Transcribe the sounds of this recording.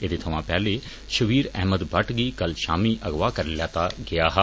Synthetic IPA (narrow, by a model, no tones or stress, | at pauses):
ed̪eːt̪ʰəʋãːpɛːleː | ʃəʋiːɾɛ̰ːməd̪bʱəʈɡiːkəlʃa̰ːmiːʔəɡʋaːkəɾlɛːt̪aːɡɪjaːɦ